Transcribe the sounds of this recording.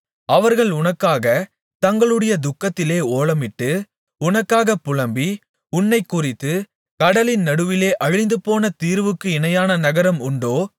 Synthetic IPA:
ɐʋɐɾɣɐɭʊnɐkːaːɣɐ | t̪ɐŋɡɐɭɯɽɐjɐd̪ʊkːɐt̪ːɪleːoːɭɐmɪʈːɯ | ʊnɐkːaːɣɐpʊɭɐmbi | ʊɳːɐɪkːʊrɪt̪ːɯ | kɐɽɐlɪnnɐɽɯʋɪleːʔɐɻɪnd̪ɯpoːnɐt̪iːɾʋɯkːɯɪnɐjaːnɐnɐɣɐɾɐmʊɳɖoː

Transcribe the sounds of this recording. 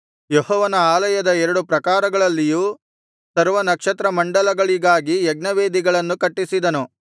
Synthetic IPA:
jehɔːʋɐnɐaːlɐjɐd̪ɐɛɾɐɽupɾɐkaːɾɐɡɐɭɐlːijuː | sɐɾʋɐnɐkʂɐt̪ɾɐmɐɳɖɐlɐɡɐɭiɡaːɡiɛɡnɐʋeːd̪iɡɐɭɐnːukɐʈːisid̪ɐnu

